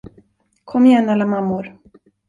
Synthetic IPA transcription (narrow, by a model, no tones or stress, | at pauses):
kʰɔmːɪjɛnːalːamamːʊɾ